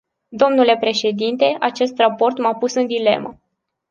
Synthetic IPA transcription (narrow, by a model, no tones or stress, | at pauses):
d̪o̞mnule̞pɾe̞ʃe̞d̪int̪e̞ʔat͡ʃe̞st̪rapo̞rt̪mapusɨnd̪ile̞̰mə̰